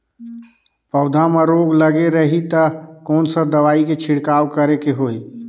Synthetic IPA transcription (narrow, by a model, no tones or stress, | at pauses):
pəʊd̪ʱaməɾoɡləɡeɾəɦit̪əkɔːnsəd̪əʋaːiket͡ʃʰiɽkawkəɾekeɦoi